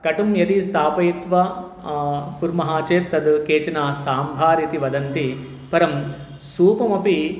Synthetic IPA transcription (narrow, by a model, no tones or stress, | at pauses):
kɐʈumjɐt̪ist̪aːpɐjit̪ʋɐ | puɾmɐɦaːt͡ʃeːt̪ːɐd̪keːt͡ʃɐnaːsaːmbʱaːɾjɐt̪iʋɐd̪ɐnt̪i | pɐɾɐm | suːpɐmɐpi